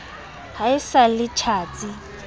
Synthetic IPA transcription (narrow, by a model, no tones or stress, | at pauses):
haɪsalɪt͡ʃʰaːt͡sʼi